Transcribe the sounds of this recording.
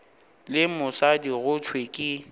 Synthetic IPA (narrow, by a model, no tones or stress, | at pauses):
lɪmʊsadiɣʊt͡sʰwekʼɪ